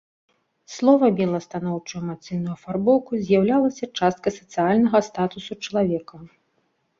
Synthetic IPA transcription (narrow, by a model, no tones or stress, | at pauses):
slˠɔvɐbʲɛlˠɐst̪anɔwt͡ʂujumat̪sɨjnujufarbɔwkuzʲjawlʲalˠɐsʲɐt͡ʂast̪̚kɐsɐ̥t̪sɨjalʲnɐɣɐst̪at̪usut͡ʂɐlˠavʲɛkɐ